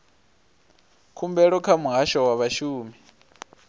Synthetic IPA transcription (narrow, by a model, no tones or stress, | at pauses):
kʰumbɛɺɔkʰamuɦaʃɔwaβaʃuːmi